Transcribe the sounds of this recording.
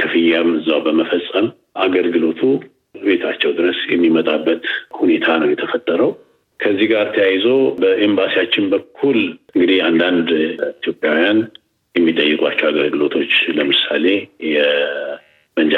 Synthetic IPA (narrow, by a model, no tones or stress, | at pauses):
t̪ʰɨfɨjːamɨzːawbəməfəsʼːəm | ʔaɡəlɡɨlo̞t̪ʰu | be̞t̪ʰat͡ʃːɛwd̪ɨɾəsjɛmːimət̪ʼabːət̪hune̞t̪ʰanəwjɛt̪ʰəfət̪ʼːəɾəw | kʰəzːihɡaɾt̪ʰəjajzo̞bəʔembasijat͡ʃːɪnbəkʰːulɨŋɡɨd̪iand̪and̪it̪ʰijo̞pʼjawijan | jɛmːit̪ʼəjːɨkʼʷa̰t͡ʃːɛwaɡəlɡɨlo̞t̪ʰo̞t͡ʃːləmɨsale̞jɛ | mənd͡ʒ